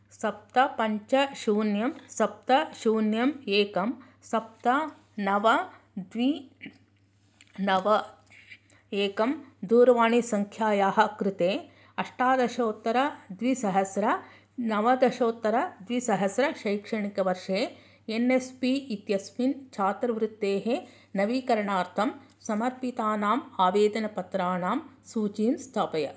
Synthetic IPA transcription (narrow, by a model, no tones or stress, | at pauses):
sɐp̚t̪ɐpɐɲt͡ʃɐʃuːnjɐmsɐp̚t̪ɐʃuːnjɐmeːkɐm | sɐp̚t̪ɐ | nɐʋɐ | d̪ʋi | nɐʋɐ | eːkɐmd̪uːɾɐʋaːɳisɐŋkʰjaːjaːɦɐ̆kɾɪt̪eː | ɐʂʈaːd̪ɐʃoːt̪ːɐɾɐd̪ʋisɐɦɐsɾɐ | nɐʋɐd̪ɐʃoːt̪ːɐɾɐd̪ʋisɐɦɐsɾɐʃɐjkʂɐɳikɐʋɐɾʂeː | enespiit̪jɐsmint͡ʃʰaːt̪ɾɐʋɾut̪ːeːɦe | nɐʋiːkɐɾɐɳaːɾt̪ʰɐm | sɐmɐɾpit̪aːnaːmaːʋeːd̪ɐnɐpɐt̪ɾaːnaːm | suːt͡ʃiːnst̪ʰaːpɐjɐ